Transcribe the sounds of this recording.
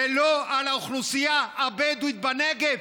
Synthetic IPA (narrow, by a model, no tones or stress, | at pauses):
eloalauχlusijaːbed̪uit̪̚banɛɡev